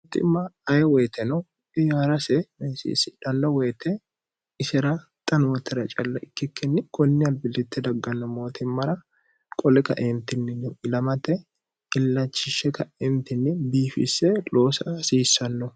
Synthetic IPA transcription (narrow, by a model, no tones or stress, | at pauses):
t̪ɪ̰mːɐɐjɛwɛjt̪ʰɛnɔ | ɪjaːɾɐsɛmsḭːsɪᶑ̪ɐnːɐwɛjt̪ɛ | ɪsɛɾɐ | t̪ʼɐnwɔt̪ʰːɛɾɐt͡ʃʼɐlːɐɪkːɪkʰːɛnːɪkɔnːɪɐlbɪlɪt̪ːɛd̪ɐɡːɐnːɔmo̞ːt̪ʰɪmːɐɾɐ | kʼɔlɛkɐ̰ʔemt̪ɪnːɪnɪɪlɐmɐt̪ːɛ | ɪlːɐt͡ʃːɪʃːɛkɐɛmt̪ɪnːɪbiːfɪ̰sɛloːsɐsiːsːɐnːɔ